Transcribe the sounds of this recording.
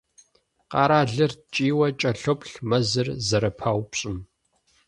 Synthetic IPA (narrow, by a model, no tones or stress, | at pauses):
qɑːɾaːɮɨrt͡ʃʼiːwɐt͡ʃʼɐɬɔpɬmɐzɨrzɐɾɐpʰaːwpɕʼɪm